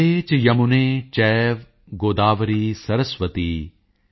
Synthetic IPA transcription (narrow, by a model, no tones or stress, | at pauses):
eːt͡ʃjɐmunẽːt͡ʃɛːʋ | ɡoːd̪aːʋɐɾiːsɐɾəsʋət̪iː